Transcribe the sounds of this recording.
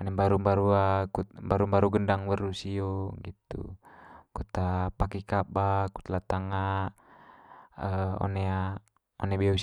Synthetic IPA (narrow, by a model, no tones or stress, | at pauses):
ɔnɛmbaɾumbaɾuakumbaɾumbaɾuɡəndaŋwərusioɡit̪ṵkut̪apakikabaku̥t̪lat̪aŋa | əɔ̰nɛa | ɔ̰nɛbɛu